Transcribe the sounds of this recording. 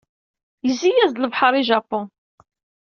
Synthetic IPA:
jəzijæzləvħəɾˤiʒɑpːʊn

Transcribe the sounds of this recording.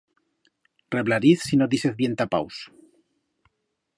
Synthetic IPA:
re̞βlaɾiθsinoðiseθβje̞nt̪apa̰ws

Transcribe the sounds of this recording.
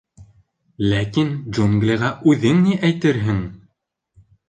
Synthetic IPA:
lækinʒuŋɡlʲeʁæʔʉðɘŋniʔæjt̪ɘɾɦɘŋ

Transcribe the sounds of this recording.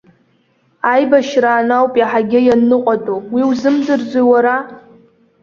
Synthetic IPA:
ajbaʃraːnawpʼjaħaɡʲɪjanːɨqʷʼatʼowiwzɨmdɨrd͡zʷiwaɾa

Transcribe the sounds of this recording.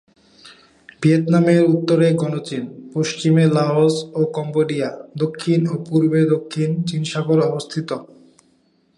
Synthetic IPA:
biet̪nameɾut̪ːoɾeɡɔnot͡ɕinpoʃt͡ɕimelaosokɔmboɖiad̪okʰːinopuɾbed̪okʰːint͡ɕinʃaboɾɔbost̪ʰit̪o

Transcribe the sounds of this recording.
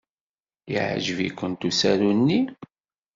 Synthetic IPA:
ḭʕʒəvḭkʷːənt̪usæɾunːi

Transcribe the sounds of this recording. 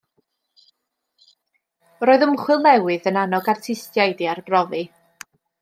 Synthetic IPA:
roːɨðʊmχwɪlˠnɛwɨðənanɔɡartʰɪstjajdiarbrɔvɨ

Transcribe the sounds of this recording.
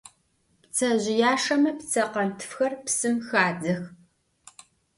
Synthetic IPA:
pt͡sʰɐʑɪjaːʂɐmɐpt͡sʰɐqɐntʰɨ̥fxɐrpsɨmxaːd͡zɐx

